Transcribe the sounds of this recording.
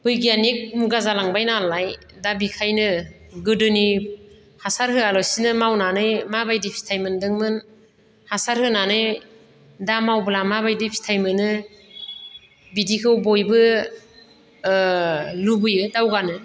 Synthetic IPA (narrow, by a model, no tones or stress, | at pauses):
bɯjɡianik̚muɡazalaŋbajnalaj | dabikʰajnɯ | ɡɯdɯni | hasaɾɦɯalɔsinɯmawnanɯjmabajdipʰi̥tʰajmɯndɯŋmɯn | hasaɾhɯnanɯj | damawbɯlamabajdipʰi̥tʰajmɯnɯ | bidikʰɯwbɔjbɯ | lubɯjɯdawɡanɯ